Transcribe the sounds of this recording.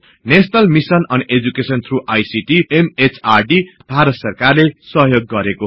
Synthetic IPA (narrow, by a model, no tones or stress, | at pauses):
nesnʌlmisʌnʌned͡zukesʌnt̪ʰruʔajsiʈiemet͡sʰarɖib̥ʱaɾʌt̪sʌrkarlesʌɦjoɡːʌɾeko